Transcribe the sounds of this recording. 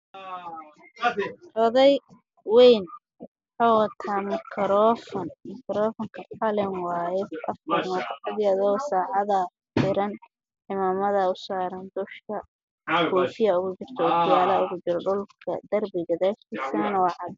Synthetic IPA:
rɔðɛj | wɛjn | ħɑːwɐt̪ʰaːnmɪkʰɾɔfɔnmɪkʰɾɔːfɔŋkʰɐħɐlɪnwaːjɛʔɐfɐrmɐt̪ɐħɐðjiɐðɔɣɔsaːʕɑðɐ | fɪɾɐn | ʕɪmaːmɐðɐʊsaːɾɐnd̪ʊʃkʰɐ | ɡɔːtɪjɐʊɣʊt͡ʃɪr̥t̪ʰɔːd̪ɪjaːlɐʊɣʊt͡ʃɪɾɔɖʊlkʰɐ̰d̪ɐrbɪɣɐðɛːʃk̪ʰiːsɐnɐnɐwɑʕɑd̪

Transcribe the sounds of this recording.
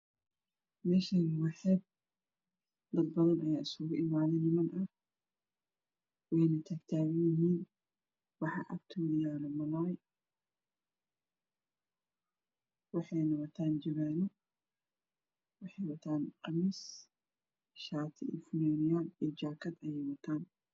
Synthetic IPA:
mɛːʃɐnwɑħɛb̚ | d̪ɐd̪̚bɐðɐnʔɐjaːɪskʊɣʊʔɪmaːðɛnɪmɐnʔɐ | wɛjnɐt̪ʰaːɡt̪ʰaːɣɐjɪɦiːn | wɑħɑ̰ʔɐ̰kt̪ʰʊðɪjaːlɔmɐlaːj | wɑħɑjnɐwɐt̪ʰaːnd͡ʒɐβɛːnɔ | wɑħɑjwɐt̪ʰaːnqɑmiːs | ʃaːt̪ʰɪijfʊnɛːnɪjaːlid͡ʒaːkʰɐd̪ɐjɛjwɐt̪ʰaːn

